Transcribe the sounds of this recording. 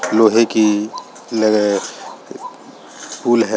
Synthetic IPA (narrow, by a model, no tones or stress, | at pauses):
loɦeki | ləɡ | puːlɦɛ